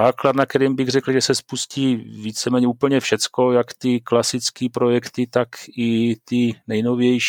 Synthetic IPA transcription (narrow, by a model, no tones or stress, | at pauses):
aːklad̪nak̚t̪ɛɾiːmbɪɣr̝ɛkl̩ʒɛsɛspusciːviːt͡sɛmɛːɲɛuːpl̩ɲɛfʃɛt͡sko̞jakt̪ɪklasɪt͡skiːpɾo̞jɛkt̪ɪt̪akɪt̪ɪnɛjno̞vjɛjʃ